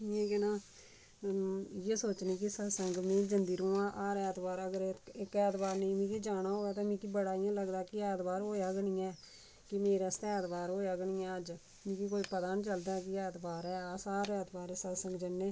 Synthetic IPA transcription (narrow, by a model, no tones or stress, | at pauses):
iẽːkenãː | jeːsoːt͡ʃniːkɪsəsəŋɡmẽːd͡ʒənd̪iːɾõːãːʔaːɾɛːt̪baːɾəɡəɾɪkɛːt̪baːɾnẽːmĩːkiːd͡ʒaːñaːɦoːaːt̪̬ãːmĩːkiːbəɽaːijãːləɡd̪aːkɪɛːt̪baːɾɦoːjaːɡəɳĩːɛː | kɪmeːɾaːst̪ɛːt̪baːɾɦoːjaːɡəɳĩːɛːəd͡ʒ | mĩːkiːk̬oːiːpət̪aːnit͡ʃəld̪aːkɪɛːt̪baːɾɛːaːsaːɾɛːt̪baːɾɛːsəsəŋɡd͡ʒənːeː